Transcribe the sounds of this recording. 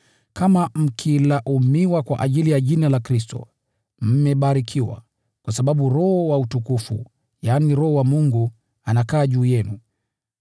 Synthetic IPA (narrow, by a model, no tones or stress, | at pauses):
kamam̩kʰilaʔumiwakwa̰ʔaʄilijaʄinalakɾistɔ̰ | m̩mɛɓaɾikʰiwa̰ | kwasaɓaɓuɾɔhɔwautukufṵ | jaːniɾɔhɔwamuŋɡu | anakaːʄuːjɛnu